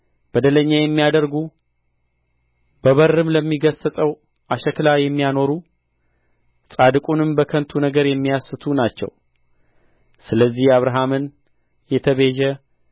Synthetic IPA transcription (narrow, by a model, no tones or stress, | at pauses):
b̥əd̪ələɲːajɛmːijad̪əɾɡu | bəβəɾːɨmləmːiɡəsəsʼəw | ʔaʃɛklajɛmːijano̞ɾu | sʼad̪ɨkʼunɨmbəkʰənt̪ʰunəɡəɾjɛmːijasɨt̪ʰunat͡ʃːɛ̰w | sɨləzːihaβɾaɦamɨn | jɛt̪ʰəβeʒɛ